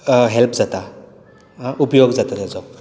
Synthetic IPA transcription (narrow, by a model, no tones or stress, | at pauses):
ɦelpd͡zat̪a | upjoɡzat̪at̪ezɔk